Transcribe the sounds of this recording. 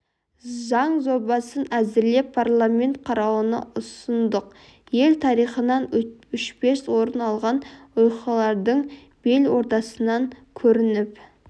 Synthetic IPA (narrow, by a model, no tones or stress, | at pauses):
zɑɴzo̞bɑsənæzɪɾle̞pʰːarlˠamʲe̞nt̪̚qʰɑɾɑwənə̰ʊsənd̪əq̚ | je̞lt̪ʰɑɾijχənɑnʏʃbe̞swo̞ɾənɑlˠʁɑnʊjqɑlˠɑɾd̪əɴ | b̥e̞lwo̞ɾt̪ɑsənɑŋkʲʰɵɾɪnɪp